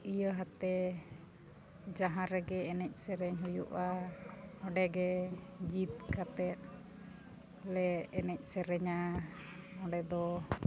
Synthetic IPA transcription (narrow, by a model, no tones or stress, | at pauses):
ijəɦat̪ɛ | d͡ʒaɦãɾɛɡɛːnɛc̚ˀsɛɾɛɲɦujṵʔa | ɔɖɛɡɛd͡ʒit̪̚kat̪ɛt̪̚ | lɛːnɛc̚ˀsɛɾɛɲa | ɔɖɛd̪ɔ